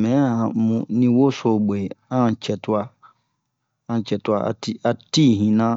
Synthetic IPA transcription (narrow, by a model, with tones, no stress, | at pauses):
mɛ̃˨˦ã˨˦mũ˨nĩ˦wo˦sɔ˨be˨ã˦˨t͡ɕʰɛ˨tʰʊ˦a˨ | ã˨t͡ɕʰɛ˨tʊ˨˦a˨a̰˨ti˦a˨ti˦˨ɦĩ˨nã˦